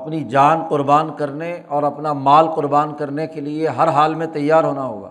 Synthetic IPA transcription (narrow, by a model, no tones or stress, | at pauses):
ɐpnid͡ʒaːnqʊɾbaːnkɐɾneɔːɾɐpnamaːlqʊɾbaːnkɐɾnekelieɦɐɾɦaːlmẽt̪ɐjːaːɾɦoːnaɦoːɡa̰ː